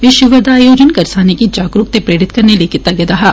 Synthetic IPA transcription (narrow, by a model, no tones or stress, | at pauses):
ɪʃʊʋəɾd̪aːjoːd͡ʒənkɐɾsaːnikid͡ʒaːɡɾukt̪epɾeːɾɪt̪kɐɾneliekɪt̪ːaɡeːd̪aɦaː